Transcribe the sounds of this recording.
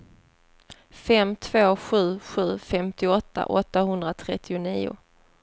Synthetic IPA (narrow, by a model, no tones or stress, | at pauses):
fɛmt̪ʰv̥oːɧʉ̟ːɧʉ̟ːfɛmt̪ɪɔt̪ʰːa̰ʔɔt̪ːaɦɵnd̪ɾat̪ʰɾɛt̪ʰːɪʊniːʊ̰